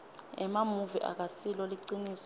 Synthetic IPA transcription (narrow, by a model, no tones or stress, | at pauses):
ɛmamuviʔa̰k̬asilɔliǀiniːs